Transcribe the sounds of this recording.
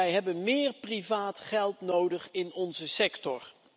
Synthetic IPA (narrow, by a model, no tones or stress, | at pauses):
ɛjɦɛbənmɪːrprivaːtχɛlˠtnowdəχɪnɔnzəsɛktɔr